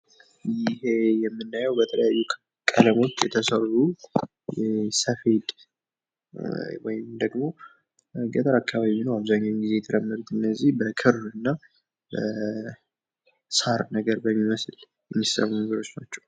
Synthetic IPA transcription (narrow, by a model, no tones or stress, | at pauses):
jɪhejɛmːɨnːajəwbət̪ʰələjajːu | kʼələmo̞t͡ʃːjɛt̪ʰəsəru | jɛsəfed̪ | wɔ̰jɪmd̪əɡmo̞ | ɡət̪ʰəɾakʰːaβaiiinəwaβzaɲːanɡize̞jɛt̪ʰəɾəmːəɾut̪ɨnːəzːihbəkʰɨɾɨnːa | bə | saɾnəɡəɾbəmːiməsl | jɛmːisə̰mːmɡɨɾo̞t͡ʃnat͡ʃːɛw